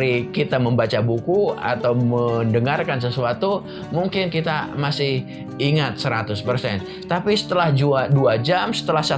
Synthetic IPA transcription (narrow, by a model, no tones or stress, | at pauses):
ɾikit̪aməmbat͡ʃabukua̰t̪awməndəŋarkansəsuat̪u | muŋkɪnkit̪amasɪh | iŋat̪̚səɾat̪ʊspərsɛn | t̪apisə̥t̪əlahd͡ʒuaduad͡ʒamsə̥t̪əlahsa